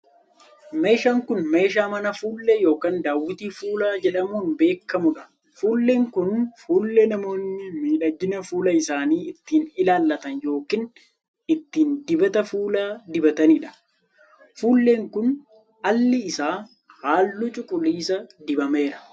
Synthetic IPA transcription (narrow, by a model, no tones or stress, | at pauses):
me̞ːʃaːŋkʊnme̞ːʃaːmɐnɐfuːlːɛjo̞ːkaːnd̪aːwːɪt̪iːfuːlaːd͡ʒɛᶑɐmuːnbe̞ːkːɐmʊᶑɐ̥ | fuːlːeːŋkʊnfuːlːɛnɐmo̞ːnːɪmiːᶑɐɡɪnɐfuːlɐɪsaːniːɪt̪ːiːnɪlaːlːɐt̪ɐnjo̞ːkiːn | ɪt̪ːiːnd̪ɪbɐt̪ɐfuːlaːd̪ɪbɐt̪ɐnɪᶑɐ̥ | fuːlːe̞ːŋkʊn | ʔɐlːɪɪsaː | haːlːut͡ʃʼʊkʼʊliːsɐd̪ɪbɐme̞ːɾɐ̥